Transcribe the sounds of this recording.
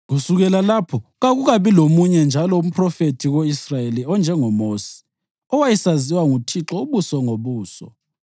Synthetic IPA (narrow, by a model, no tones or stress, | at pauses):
ɣusuɣɛlalapʰɔɣaɣuɣaβilomuɲɛnd͡ʒʱalɔum̩pʰrɔfetʰiɣoisrajeliɔnd͡ʒʱɛŋɔmoːsi̥ | ɔwajisaziwaŋutʰiǁɔuβusɔŋoβuːsɔ̰